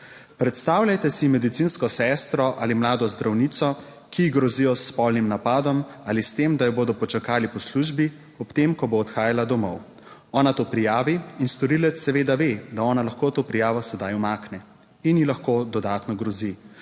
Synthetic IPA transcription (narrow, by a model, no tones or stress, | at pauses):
pɾɛt̪st̪aːwlʲjajt̪ɛsimɛd̪it̪sinskɔsɛst̪ɾɔʔalimlaːd̪ɔzd̪ɾʔawnit̪sɔ | kiːɡɾɔzijɔsːpɔlnimnapaːd̪ɔmaːlist̪emd̪ajɔboːd̪ɔpɔt͡ʃakaːlipɔsluʒbi | ɔpt̪emkɔboːt̪xaːjalad̪ɔmɔw | ɔːnat̪oːpɾijaːʋiinst̪ɔɾilɛt̪sːɛʋeːd̪aʋed̪aɔːnalaxkoːt̪oːpɾijaːʋɔsɛd̪ajumaːknɛ | injilaxkoːd̪ɔd̪aːt̪nɔɡɾɔzi